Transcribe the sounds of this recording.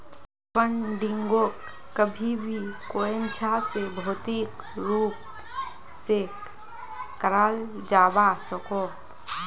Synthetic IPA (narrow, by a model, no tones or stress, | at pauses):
pəɳɖɪŋɡoːk | kːəbʱibʱikoːent͡ʃʰasebʱoːt̪ik | ɾuːp̚ | se | kəɾaːld͡ʒaːbasəkoːt̪